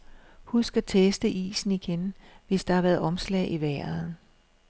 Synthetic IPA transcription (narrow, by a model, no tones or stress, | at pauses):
husɡ̥ɐt͡sʰesd̥əʔḭːsn̩iɡ̥enʋe̝sd̥ɑ̈hɑ̈ʋæːɐð̩ˠɒ̽mslɛ̰ːɪʔiʋæːð̩ˠ